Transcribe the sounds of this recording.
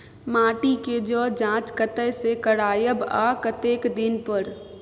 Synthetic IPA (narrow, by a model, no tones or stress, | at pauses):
maːʈiked͡ʒɔːd͡ʒãːt͡ʃkət̪əjsekəɽaːjəbaːkət̪eːkd̪ɪnpəɾ